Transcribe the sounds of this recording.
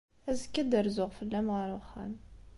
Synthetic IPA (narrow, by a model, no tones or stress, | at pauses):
æzəkːæd̪əɾzʊʁfəlːæmʁaɾʊχæ̰m